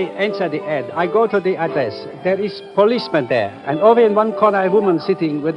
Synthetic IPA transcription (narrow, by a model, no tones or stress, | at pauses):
ɛ̃nsəd̪iʔɛdajɡotudeadɹɛs | d̪ɛɹispɔlismɛ̃nd̪ɛ̰ʔɛ̃novəɪ̃nwãnkʰɔnəəwumə̃nsitɪ̃ŋwɪd